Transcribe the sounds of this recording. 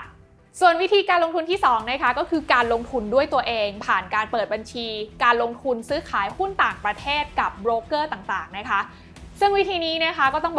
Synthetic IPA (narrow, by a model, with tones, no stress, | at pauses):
su˨˩ənwi˦˥t̪ʰiː˧kaː˧nlo˧ŋt̪ʰu˧nt̪ʰiː˥˩sɔː˩˦ŋna˦˥kʰa˦˥kɔː˥˩kʰɯː˧kaː˧nlo˧ŋt̪ʰu˧ndu˥˩əjt̪u˧ɐʔeː˧ŋpʰaː˨˩nkaː˧npɤː˨˩t̪̚ba˧nt͡ɕʰiː˧kaː˧nlo˧ŋt̪ʰu˧nsɯː˦˥kʰaː˩˦jhu˥˩nt̪aː˨˩ŋpɾa˧t̪ʰeː˥˩t̪̚ka˨˩p̚bɾoː˦˥kɤː˥˩t̪aː˨˩ŋt̪aː˨˩ŋna˦˥kʰa˦˥ʔ | sɯ˥˩ŋwi˦˥t̪ʰiː˧niː˦˥n˥˩ɐkʰa˦˥kɔː˥˩t̪ɔ˥˩b